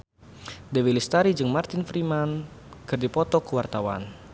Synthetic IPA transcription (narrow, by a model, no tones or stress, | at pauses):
dɛwilist̪aɾid͡ʒɨŋmart̪ɪnfɾiman | kɨrdipɔt̪ɔkəwart̪awa̰n